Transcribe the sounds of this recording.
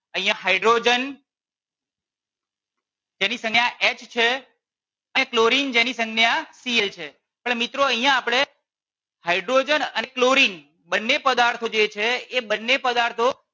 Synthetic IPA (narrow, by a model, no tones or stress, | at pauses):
əɦĩjãɦaiɖɾod͡ʒən | d͡ʒenisə̃ŋɡjaʔet͡ʃt͡ʃʰe | ənekloɾind͡ʒenisə̃ŋɡneasielt͡ʃʰe | pəɽmit̪ɾoəɦijãːpɽ̃e | haiɖɾod͡ʒənənekloɾin | bənːepəd̪aɾt̪ʰod͡ʒet͡ʃʰeːbənːepəd̪aɾt̪ʰo